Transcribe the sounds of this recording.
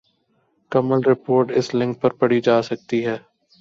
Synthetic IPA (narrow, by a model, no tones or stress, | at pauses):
kɐməlɾɪpoːɾʈɪslɪ̃ŋk̚pɐɾpɐɽid͡ʒaːsɐk̚t̪iɦɛː